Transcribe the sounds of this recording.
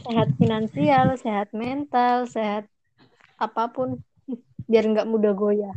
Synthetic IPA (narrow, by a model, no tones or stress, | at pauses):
seɦat̪̚finansialseɦat̪̚mɛnt̪alseɦat̪̚ | ʔapapʊn | biarŋɡaʔmudaɡoja